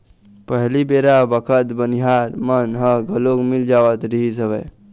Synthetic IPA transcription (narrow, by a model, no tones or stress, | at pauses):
pəɦlibeɾabəkʰət̪bəniɦaɾmənɦəɡʱəloɡmild͡ʒaːʋət̪ɾiɦisəbə